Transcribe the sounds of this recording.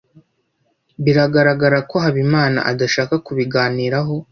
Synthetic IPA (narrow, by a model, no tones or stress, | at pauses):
βiɾaɡaɾaɡaɾako̞ɦaβimaːna̰ʔadaʃaːkakuβiɡaːniːɾaɦo̞